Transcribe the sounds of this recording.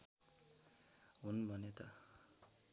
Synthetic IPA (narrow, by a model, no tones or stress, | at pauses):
ɦunbʱʌnet̪ʌ